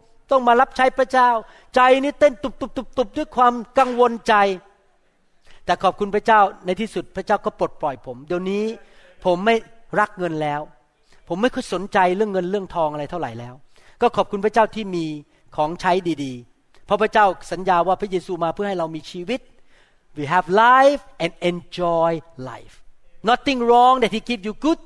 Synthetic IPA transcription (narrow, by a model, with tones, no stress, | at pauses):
t̪ɔ˥˩ŋmaː˧ɾa˦˥p̚t͡ɕʰa˦˥jpʰɾa˦˥t͡ɕaː˥˩w | t͡ɕa˧jniː˦˥t̪e˥˩nt̪u˨˩p̚t̪u˨˩p̚t̪u˨˩p̚t̪u˨˩p̚du˥˩jkʰwaː˧mka˧ŋwo˧nt͡ɕa˧j | t̪ɛː˨˩kʰɔː˨˩p̚kʰu˧npʰɾa˥t͡ɕaː˥˩wna˧jt̪ʰiː˥˩su˨˩t̪̚pʰɾa˦˥t͡ɕaː˥˩wkɔː˥˩po˨˩t̪̚plɔ˨˩jpʰo˩˦mdi˧ə˧wniː˦˥ | pʰo˩˦mːa˥˩jɾa˦˥k̚ŋɤ˧nlɛː˦˥w | pʰo˩˦mːa˥˩jkʰɔ˥˩jso˩˦nt͡ɕa˧jɾɯ˥˩əŋːɤ˧nɾɯ˥˩əŋt̪ʰɔː˧ŋʔa˧ɾa˧jt̪ʰa˥˩wɾa˨˩˦jlɛː˦˥w | kɔː˥˩kʰɔː˨˩p̚kʰu˧npʰa˥t͡ɕaː˥˩wt̪ʰiː˥˩miː˧ | kʰɔː˩˦ŋt͡ɕʰa˦˥jdiː˧diː˧ | pʰɔ˦˥pʰɾa˥t͡ɕaː˥˩wsa˩˦njaː˧waː˥˩pʰɾa˦˥jeː˧suː˧maː˧pʰɯ˥˩ɦa˥˩jɾa˧wmiː˧t͡ɕʰiː˧wi˦˥t̪̚ | wiː˨˧ɦɛ˧vla˦˥jfʔɛ˨nd̚ʔe˧nt͡ɕɔː˧jla̰˦˥˩jfnɔ˦˥t̪i˧ŋɾɔː˦˥ŋd̪ɛ˨˩t̪iː˧˩kiː˦˥p̚juː˧ɡu˧˥˩t̚